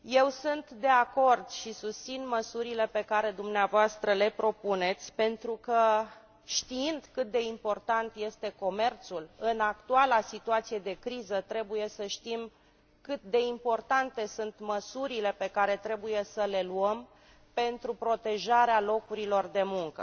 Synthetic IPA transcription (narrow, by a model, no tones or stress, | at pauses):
je̞wsunt̪d̪e̞ako̞rd̪ʃisust̪sinməsuɾile̞pe̞kaɾe̞d̪umneavoast̪ɾəle̞pɾo̞pune̞t̪sʲpe̞nt̪ɾukə | ʃt̪iind̪kɨt̪̚d̪e̞impo̞rt̪ant̪je̞st̪e̞ko̞me̞rt̪sulɨnakt̪ualasit̪uat̪sije̞d̪e̞kɾizət̪ɾe̞buje̞səʃt̪im | kɨt̪̚d̪e̞impo̞rt̪ant̪e̞sunt̪məsuɾile̞pe̞kaɾe̞t̪ɾe̞buje̞səle̞luəm | pe̞nt̪ɾupɾo̞t̪e̞ʒaɾealo̞kuɾilo̞rd̪e̞muŋkə̰